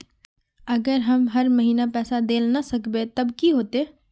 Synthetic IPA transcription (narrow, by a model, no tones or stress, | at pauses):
ɐɡəɾɦɐmɦɐɾməɦiːnapɛːsad̪eːlnasɐkbet̪ɐbkiɦoːt̪eː